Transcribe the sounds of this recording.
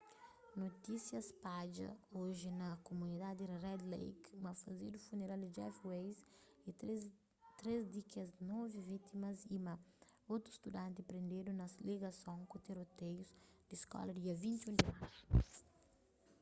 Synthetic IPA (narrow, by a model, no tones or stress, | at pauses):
not̪isjɐspad͡ʒɐ̰oʒɪnɐkomunid̪ad̪irɛd̪lḛjkmɐfɐzid̪ufuneɾald̪ɪd͡ʒɛ̰fwejs | i | t̪ɾezd̪ikɐznɔvivit̪imɐzimɐot̪ɾuist̪ud̪ãnt̪̬ɪpɾẽnd̪ed̪unɐsleɡɐsõŋkut̪eɾot̪ejuzd̪iskɔ̰lɐd̪iɐvĩnt̪iũnd̪imaj